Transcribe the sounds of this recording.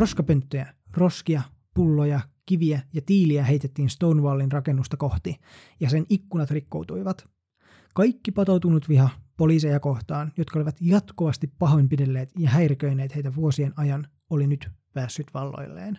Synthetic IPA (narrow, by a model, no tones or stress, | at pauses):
ro̞skɑpønt̪ːøjæ | ro̞skiɑ | pulːojɑkiʋiæjɑt̪iːliæɦe̞jt̪et̪ːiːnst̪ownʋɑːlːinrɑke̞nːust̪ɑko̞ht̪i | jɑsenikːunɑt̪rikːo̰wt̪ujʋɑt̪ | kɑjkːipɑt̪owt̪unut̪ʋiɦɑpo̞liːsejɑko̞ht̪ɑːnjo̞t̪kɑoliʋɑt̪jɑt̪koʋɑst̪ipːɑɦo̞jmpidelːe̞ːt̪jɑɦæjrikøjne̞ːt̪hejt̪æʋuosienɑjɑn | olinyt̪pæːsːyt̪ʋɑlːo̰jlːḛːn